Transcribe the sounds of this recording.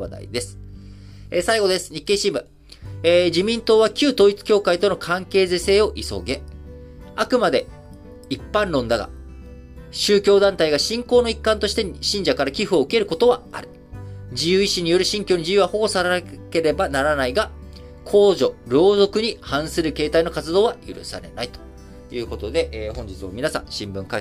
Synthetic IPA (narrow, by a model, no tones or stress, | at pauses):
a̰d̪a̰ḭd̪e̞sɨ̥ | esaiɡo̞d̪e̞sɨ̥ɲ̟ikːe̞ːɕĩmbɯ̟̰ | ed͡ʑimʲĩnt̪o̞ːβakʲɨːt̪oːit͡sɨ̥kʲo̞ːkait̪o̞no̞kʰãŋke̞ːzese̞ːo̞ʔiso̞̰ɡe̞ | akɯ̟mad̪e̞ | ipːãnɾõ̞nd̪aɡa̰ | ɕɨːkʲo̞ːd̪ãnt̪aiɡaɕĩŋko̞ːno̞ikːãnt̪o̞ɕi̥t̪e̞ɕĩɲ̟d͡ʑakaɾakʲiɸɯ̟oɯ̟ke̞ɾɯ̟ko̞t̪o̞βaa̰ɾɯ̟̥ | d͡ʑijɯ̟ːiɕiɲ̟ijo̞ɾɯ̟ɕĩŋkʲo̞ːɲ̟id͡ʑʑijɯ̟βaho̞ɡo̞saɾake̞ɾe̞banaɾanaiɡa | kʰo̞ːʑo̞ɾo̞ːzo̞kɯ̟ɲ̟ihãɰ̃sɨɾɯ̟ke̞ːt̪aino̞kat͡sɨd̪o̞ːβajɯ̰ɾɯ̟̰sa̰ɾe̞̰na̰it̪o̥ | jɯ̟ːko̞t̪o̞d̪e̞ʔeːhõ̞ɲ̟d͡ʑit͡sɨβa̰mʲinasã̰ɕĩmbɯ̟̃ŋka